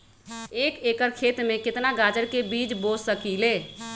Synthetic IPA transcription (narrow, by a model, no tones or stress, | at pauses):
eːkeːkəɾkʰeːt̪mẽkɪt̪naɡaːd͡ʒəɾkebiːd͡ʒboːd͡ʒsəkileː